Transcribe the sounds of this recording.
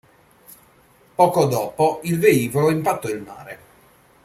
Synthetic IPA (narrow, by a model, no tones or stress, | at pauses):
pɔːkod̪ɔːpoilveiːvoloimpat̪ːɔilma̰ːɾe